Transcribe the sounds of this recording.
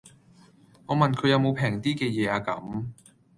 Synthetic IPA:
ŋɔː˨˧mɐ˨˩nkʰɵ˨˧ɥjɐ˧wmo˨˧wpʰɛː˨˩ŋt̪iː˥kɛː˧jɛː˨˧aː˨˧kɐ˨˥m

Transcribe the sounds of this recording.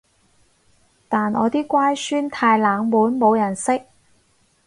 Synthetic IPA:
t̪aː˨nʔɔ̰ː˨˧t̪iː˥kʷaː˥jsyː˥nt̪ʰaː˧jlaː˨˧ŋmuː˨˥nmo˨˧wjɐ˨˩nsɪ˥k̚

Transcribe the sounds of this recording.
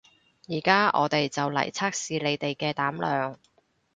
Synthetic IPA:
jiː˨˩kaː˥ʔɔ̰ː˨˧t̪e˨jt͡sɐ˨wlɐ̰˨˩jt͡sʰaː˥k̚siː˨le˨˧jt̪e˨jkɛː˧t̪aː˨˥mlœː˨ŋ

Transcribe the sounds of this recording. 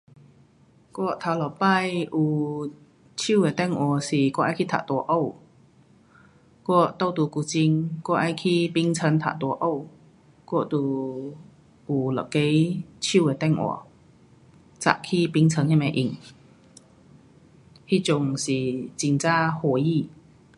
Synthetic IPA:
kɔ˥˩t̪ʰa˧wlɔ˨˩pa˥˨jʔu˨˩ | t͡ɕʰi˥˨we˨˩t̪ɛ˥˧˨ŋʔɔ˨˩˨si˨˩kwɔ˥˧ʔa˧˥˦kʰi˦˥˩t̪ʰa̰˨t̪ɔ˨˧˦ʔo˥˧˨w | kwɔ˥˩t̪o˥˧˩wt̪u˧˩ku˧˩t͡ɕi˧ŋkwɔ˥ʔa˧jkʰi˧˩pi˧˥ŋt͡sʰə˧˥nt̪ʰa̰˨˧˩t̪ɔ˧˦ʔo˥˧˨w | kɔ˥˧t̪u˨˩ | ʔu˨˩lɔ̰˨˩ke˧˦jt͡ɕʰi˥˧˨we˨˩t̪ɛ˥˩ŋʔwɔ̰˧˩ | t͡sa̰˨˩˨kʰi˥˧˨pi˧˥ŋt͡sʰə˧˦ŋhɛ˧˥˩mɛ˧˩ʔi˨˩ŋ | hi˧˥˨t͡ɕʊ˧ŋsi˨˩t͡ɕi˧ŋt͡sa˥ho˧ji˥˧˨

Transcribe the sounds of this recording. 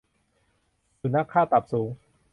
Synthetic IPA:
su˨˩na˦˥˩kʰːaː˥˩t̪a˨˩p̚suː˩˦ŋ

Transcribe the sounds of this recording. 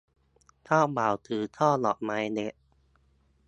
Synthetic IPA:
t̪ʰɔː˥˩baː˨˩wt̪ʰɯː˨˩t̪ʰɔː˥˩lɔ̰ː˨˩ʔ̚ma˨˧˥jne˧˥ʔ

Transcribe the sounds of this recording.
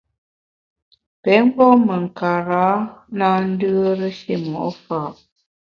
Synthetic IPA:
pɛ˨˦m˦bɔ˦mə˨ŋ̩˨ka˨ɾa˨˦naː˦n̩˦dɯ˦ə˦ɾə˦ʃe˦˨mɔ̰˨ʔɔ˦fa˨ʔ

